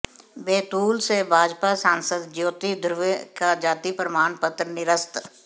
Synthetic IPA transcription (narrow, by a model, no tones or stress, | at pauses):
beːt̪uːlsebʱaːd͡ʒpasãːnsəd̪d͡ʒjoːt̪id̪ʱɾʊʋekad͡ʒaːt̪ipɾəmaːnpət̪ɾənɪɾəst̪